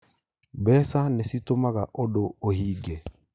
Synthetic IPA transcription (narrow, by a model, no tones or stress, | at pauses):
bɛsanɛsitomaɣaʔodoohiɡe